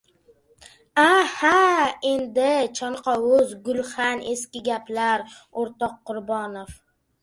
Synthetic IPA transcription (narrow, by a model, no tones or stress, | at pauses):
ahae̞nd̪ɪt͡ʃʰɒɴqʰɑwʊzɡʊlχane̞skʲɪɡʲaplaɾ | oɾt̪ɒqːʊɾbɒnof